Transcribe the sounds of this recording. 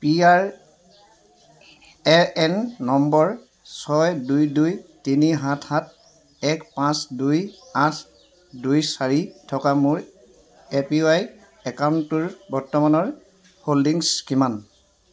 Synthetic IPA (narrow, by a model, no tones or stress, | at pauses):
piaɹ | ɛɹɛnːɔmbɔɹ | sɔjdujdujtiniɦãtʰhat̚ | ɛkpãsdujãt | dujsaɹitʰɔkamʊɹ | epiaj | ɛkawnuɹbɔɹtɔmanɔɹ | holdiŋskiman